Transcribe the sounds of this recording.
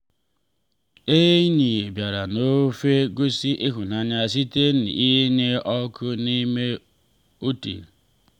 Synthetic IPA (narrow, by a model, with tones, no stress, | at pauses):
e˦ɲi˨e˨bja˨ɾa˨no˦fe˦ɡo˦si˦ʔi˦ɦʊ˨na˨ɲ˦a˨s̬i˦te˦n̩˨i˦ɲe˦ʔɔ˦kʰʊ˦ni˦me˦ | o˦tḭ˨l